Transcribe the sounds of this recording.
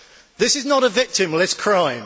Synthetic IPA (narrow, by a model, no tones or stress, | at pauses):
ðɪsɪznəɾəvɪk̚tɪ̃mlɪtskʰɹ̥ãɪ̃m